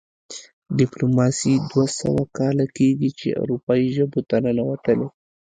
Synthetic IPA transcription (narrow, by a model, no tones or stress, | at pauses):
ɖɪplomɑsid̪wasa̰wakɑlakeɡit͡ʃḛa̰wɾupɑiʒəbot̪anənawat̪əle